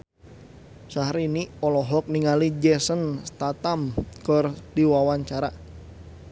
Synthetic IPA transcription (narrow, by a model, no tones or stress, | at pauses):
saɦɾiniɔlɔɦɔk̚niŋalid͡ʒɛsənst̪at̪amkɔrdiwawaɲt͡ʃaɾa